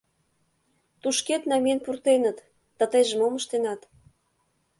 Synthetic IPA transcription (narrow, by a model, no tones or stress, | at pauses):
t̪uʃket̪nɑmʲenpurt̪enə̆t̪ | d̪̥ɑt̪əjʒə̆moməʃt̪enɑt̪